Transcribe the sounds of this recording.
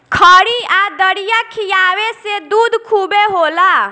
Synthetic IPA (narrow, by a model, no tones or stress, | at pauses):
kʰəɽiad̪əɽijakʰijaːwesed̪uːd̪kʰubeɦola